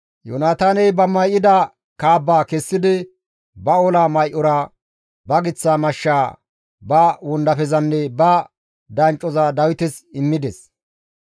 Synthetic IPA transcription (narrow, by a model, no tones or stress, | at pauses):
jo̰naːt̪aːnɛjbɐmɐjʔɪd̪ɐ | kaːbːaːkɛsːɪd̪ɪ | bɐolaːmɐjʔɔɾɐ | bɐɡɪt͡sːaːmɐʃːaː | bɐwʊnd̪ɐfɛzɐnːɛbɐ | d̪ɐnt͡ʃʼːɔzad̪ɐwɪt̪ɛsɪmːɪd̪ɛs